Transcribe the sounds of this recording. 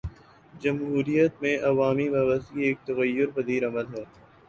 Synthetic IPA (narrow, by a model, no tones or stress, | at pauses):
d͡ʒɐmɦuːɾijət̪mẽʔɐʋaːmibaːbəst̪ieːk̚t̪ɐɣəjːʊɾpɐd̪iːɾɐməlɦɛː